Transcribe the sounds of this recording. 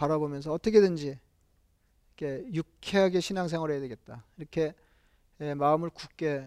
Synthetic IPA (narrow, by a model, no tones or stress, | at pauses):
paɾabomjʌns̬ʰʌʌt͈ʌkʰe̞dɯnd͡ʑi | kʰe̞jukʰeɦaɡe̞ɕʰinaŋsʰeŋwʌɾɦejadweɡe̞t̚t͈aiɾʌkʰe̞ | emaɯmɯɭkuk͈e̞